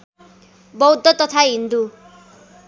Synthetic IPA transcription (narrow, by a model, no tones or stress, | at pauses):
bʌwd̪ʱːʌt̪ʌt̪ʰaɦind̪u